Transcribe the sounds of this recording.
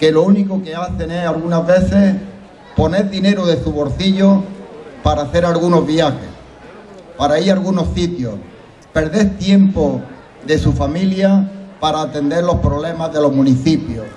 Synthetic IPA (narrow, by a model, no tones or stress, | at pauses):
ke̞louniko̞ke̞aθe̞ŋe̞alɣunazβe̞θe̞s | po̞ne̞ɾðine̞ɾoðe̞suβo̞ɾθiʎopaɾaːθe̞ɾalɣuno̞zβjaxe̞̰s | paɾaiɾalɣuno̞sθit̪jo | pe̞ɾðe̞θt̪je̞mpo | ðe̞sufamiljapaɾaːt̪e̞nd̪e̞ɾlo̞spɾoβle̞mazðe̞lo̞ɦmũniθipjo